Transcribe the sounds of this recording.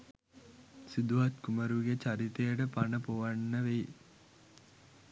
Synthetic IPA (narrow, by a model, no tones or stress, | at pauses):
sid̪uɦat̪kuməɾuɡet͡ɕaɾit̪ejəʈəpanəpoʋanːəʋe